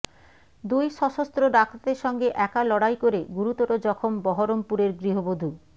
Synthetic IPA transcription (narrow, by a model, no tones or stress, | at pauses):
d̪ujʃɔʃost̪ɾoɖak̚t̪ad̪eɾʃɔŋɡeʔɛkalɔɽajkoɾeɡuɾut̪oɾod͡ʑɔkʰombɔɦoɾompuɾeɾɡɾiɦobod̪ʱu